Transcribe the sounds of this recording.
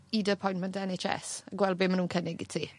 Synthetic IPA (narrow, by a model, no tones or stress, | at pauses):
idəpʰɔjntmɛntʰɛnet͡ʃɛ̰səɡwɛlˠbɪːmənuːnkʰənɪɡḭtʰiː